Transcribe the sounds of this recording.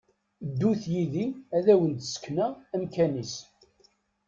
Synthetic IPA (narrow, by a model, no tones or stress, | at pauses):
d̪ːuθjiðiæðæwənd̪sknææmkænis